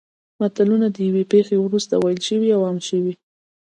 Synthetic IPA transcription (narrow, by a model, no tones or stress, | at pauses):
mat̪alunad̪əjawepexewɾust̪a̰wajlʃəwiawamʃəwi